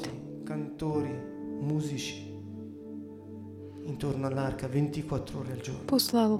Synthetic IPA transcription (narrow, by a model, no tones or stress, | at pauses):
i | kant̪oːɾi | muːzit͡ʃi̥ | int̪oɾnoalːarkavent̪ikwat̪ːɾooːɾeald͡ʒo̰rnposlað